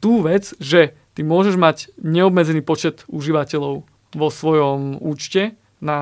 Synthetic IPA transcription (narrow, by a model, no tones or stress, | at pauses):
t̪uːʋɛd͡zʒɛ | t̪imʊɔʒɛʒmaɟɲɛɔbmɛd͡zɛniːpɔt͡ʃɛt̪uʒiʋacɛʎɔʊ | ʋɔsʋɔjɔmuːt͡ʃcɛ | na